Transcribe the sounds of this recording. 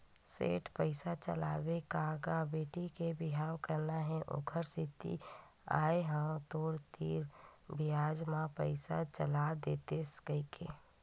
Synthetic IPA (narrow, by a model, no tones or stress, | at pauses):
sḛːʈpəɪsat͡ʃə̰la̰ːbekaːɡabeːʈikebɪɦaːwkəɾnaɦɛ̃ʔo̰kʰəɾsit̪ḭ | a̰ːeɦə̃t̪oːɾt̪iːɾbijaːd͡ʒmãpəɪsat͡ʃəlad̪et̪eskəikʰḛ